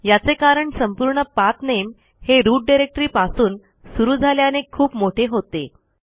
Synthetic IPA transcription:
jat͡sekaɾəɳsəmpuɾɳəpat̪nem | heɾuːʈ̚ɖiɾek̚ʈəɾiːpasuːn | suɾuːd͡zʱaljanekʰuːpmoʈʰeɦot̪e

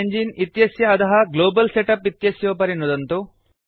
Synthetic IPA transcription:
eɲd͡ʒiːnit̪jɐsjɐːt̪ɐɦɐɡloːbɐlseʈɐpit̪jɐsjoːpɐɾinud̪ɐnt̪u

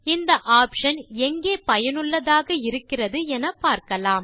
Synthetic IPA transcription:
ɪnd̪ɐʔaːpʂɐnɛŋɡeːpɐjɐnɯɭːɐðaːɣɐɪɾɯkːɪrɐðɯɛnɐpːaːɾkɐlaːm

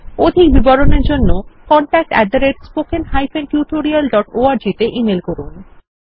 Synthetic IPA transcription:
od̪ʱik̚bibaɾoneɾd͡ʑonːokɔɳʈɛk̚ʈɛ̰ɖaɾeʈspokenɦajfʰenʈjuʈoɾialɖɔʈoaɾd͡ʑit̪eʔimelkɔɾun

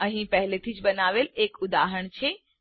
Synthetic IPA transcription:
ə̃ɦĩpɛɦlet̪ʰiːd͡ʒbənaːʋeleːkʊd̪aːɦəɽ̃t͡ʃʰe

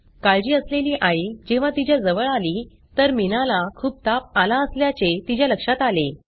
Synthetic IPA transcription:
kaɭd͡ʑiːəsleliːʔaid͡ʑeʋ̤at̪id͡ʑjad͡zəʋəɭaliː | t̪əɾminalakʰuːb̚t̪ap̚alaəsljat͡set̪id͡ʑjaləkʂat̪ale

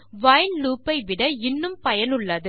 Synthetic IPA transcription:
ʋɐɪnluːpːɐɪʋɪɽɐɪnːɯmpɐjɐnɯɭːɐðɯ

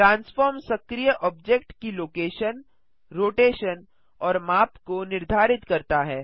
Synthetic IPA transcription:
ʈɾãːnsfɔːɾmsɐkɾijəʔɔːb̚d͡ʒekʈkiloːkeːʃən | ɾoːʈeːʃən | ɔːɾmaːpkonɪɾd̪ʱaːɾɪt̪kɐɾt̪aɦɛː

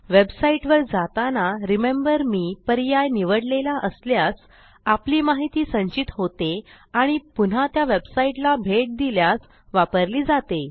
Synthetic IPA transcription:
ʋebsaiʈʋəɾd͡zat̪anaɾimẽmbəɾmiːpəɾijajniʋəɽlelaʔəsljas | apliːmaɦit̪iːsə̃ɲt͡ɕit̪ɦot̪e | aɽ̃ipun̤at̪jaʋebsaiʈlabʱeʈ̚d̪iljas | ʋapəɾliːd͡zat̪e

